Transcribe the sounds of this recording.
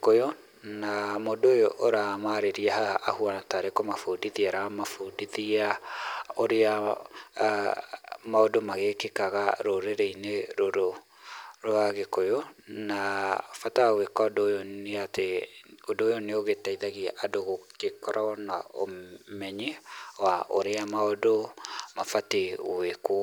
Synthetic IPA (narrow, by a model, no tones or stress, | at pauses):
kojo | namodojoʔoɾamaɾeɾiahaʔːhuanataɾekɔmafodiðiaɾamafodiðia | oɾea | maodomaɣekekaɣaɾoɾeɾeineɾoɾo | ɾwaɣekojonafatawekɔdojoeateodoːjoneoɣetaiðaɣiaʔadoɣokekɔɾʔaɔnao̰mɛɲewaʔoɾeamaodomafateweko